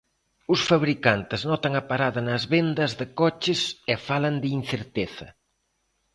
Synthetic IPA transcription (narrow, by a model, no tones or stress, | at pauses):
ʊsfaβɾikant̪ɪznɔt̪ɐŋɐpaɾaðɐnɐzβend̪ɐzðɪkɔt͡ʃɪsɛfalɐnd̪ɪinθeɾt̪eθɐ̰